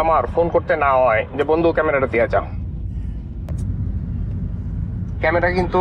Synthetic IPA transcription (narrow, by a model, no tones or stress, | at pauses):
amaɾfonkoɾt̪enaɦɔed͡ʑebond̪ʱukɛmeɾaɾat̪ijad͡ʑa | kɛmeɾakint̪u